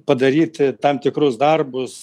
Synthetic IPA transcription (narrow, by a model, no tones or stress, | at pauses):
pɐd̪ɐɾʲiːt̪ʲt̪ɐmt̪ʲɪkɾʊsd̪ɐrbʊs